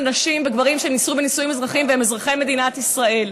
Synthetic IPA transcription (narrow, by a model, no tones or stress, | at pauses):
anaʃimbeɡvaʁimʃenisube̞nisujimezʁaχimveemezʁaχeme̞d̪inat̪isʁae̞l